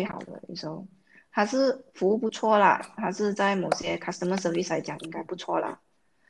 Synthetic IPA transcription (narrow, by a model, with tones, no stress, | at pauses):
we˥˩xɑ̰˨˩ʊd̪ə̰˦ḭ˥˩ʂ̩˧˥o˥˩ʊ | t̪ʰa˥ʂɻ̩˥˩fu˧˥u˥˩pu˧˥t͡sʰwɔ˥˩lə̰˩t̪ʰa˥ʂɻ̩˥˧t͡sa˥˩ɪmo˨˩ʊɕjɛ˥kʰa˥˩st̪ə˧˩mə˧˩sə˧˥˩li˥˩sla˧˥ɪt͡ɕjɑ˨˩ŋʔi˥ŋka˥ɪpu˥˩t͡sʰwɔ˥˩lə̰˨˩